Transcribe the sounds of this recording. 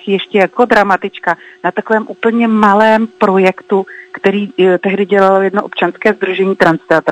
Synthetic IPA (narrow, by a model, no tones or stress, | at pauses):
xjɛʃcɛjakodɾamat̪ɪt͡ʃkanat̪akovɛːmʔuːpl̩ɲɛmalɛːmpɾo̞jɛkt̪ukt̪ɛɾiːt̪ɛɦdɪɟɛlalojɛdnoʔo̞pt͡ʃanskɛːzd̪ɾuʒɛɲiːt̪ɾanst̪ɛat̪